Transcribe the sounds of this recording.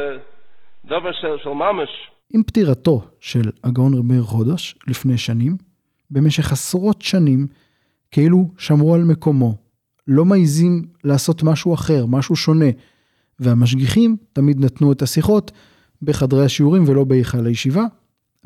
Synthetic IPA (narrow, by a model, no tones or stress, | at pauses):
d̪oveʃeʃelmameʃ | ʔimptiʁato̞ʃe̞laɡao̞nʁibeʁχo̞deʃlifne̞jʃanim | be̞me̞ʃe̞χasʁo̞tʃanim | keiluʃamʁualme̞ko̞mo̞ | lo̞maizimlaːso̞t̪maʃuaχe̞ʁmaʃuʃo̞ne̞ | veamaʃ̬ɡiχimtamid̪natnuetasiχo̞t | beχadʁejaʃiuʁimvelo̞beiχalajeʃiva